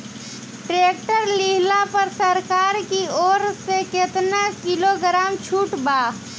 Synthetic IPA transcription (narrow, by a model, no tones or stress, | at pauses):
ʈɾek̚ʈəɾliɦlapəɾsəɾkaːɾkioːɾseket̪nakiloɡɾaːmt͡ʃʰuːʈba